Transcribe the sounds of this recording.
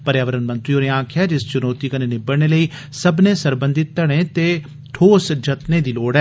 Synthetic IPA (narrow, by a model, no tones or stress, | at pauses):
pəɾjaːʋəɾənmə̃nt̪ɾiːoːneːãːkʰɪjaːd͡ʒɪst͡ʃʊnoːt̪iːkəneːnɪbəɽɳeːləiːsəbnẽːsəɾbə̃nd̪ɪt̪ːəɽ̃ẽːt̪eː | t̪ʰoːsd͡ʒət̪neːd̪iːloːɽɛː